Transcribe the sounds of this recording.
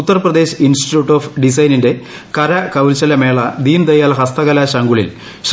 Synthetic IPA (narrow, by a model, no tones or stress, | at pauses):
ut̪ːɐrprɐd̪e̞ːɕɐinsʈi̥tjuːʈːoːfɖis̬ɐjninde̞ | kɐɾɐkɐwlt͡ɕɐlɐme̞ːɭɐd̪iːnd̪ɐjaːlɦɐst̪ɐɣɐlaːɕɐŋɡuɭḭl | ɕ